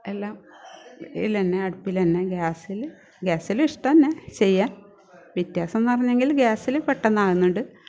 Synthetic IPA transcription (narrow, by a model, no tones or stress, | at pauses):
e̞lːaːm | ḭlenːeɐɽupːilɐnːeɡaːsil | ɡaːsiliʂʈɐɐnːet͡ɕe̞jːaːn | ʋjɐt̪jaːsɐonːɨpɐrɐɲːeŋɡilɡaːsilepeʈːɐnːaːɣunːuɳɖɨ